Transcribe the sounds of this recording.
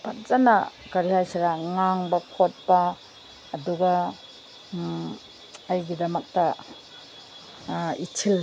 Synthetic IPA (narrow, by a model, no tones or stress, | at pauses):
pʰat̚zɐnɐɡɐɾihajsaɾaŋaŋbɐkʰot̚pɐː | duɡɐ | ɐjɡidɐmɐk̚tɐ | itʰil